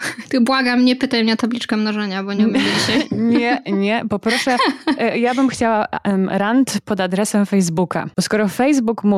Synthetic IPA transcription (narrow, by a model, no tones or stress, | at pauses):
t̪ɨbwaɡamɲɛpɘt̪ajmɲɛt̪ablʲit͡ʂkɛmnɔʐɛɲabɔɲɛɔmʲid͡ʑiɕajɲɛɲɛpɔpɾɔʂɛjabɘmxt͡ɕawaɾant̪pɔd̪ad̪ɾɛsɛmfɛjzbuka̰bɔskɔɾɔfɛjzbukmu